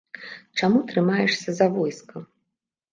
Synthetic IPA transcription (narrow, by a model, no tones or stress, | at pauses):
t͡ʂamut̪ɾɨmajɛʂsʲɐzavɔjskɐ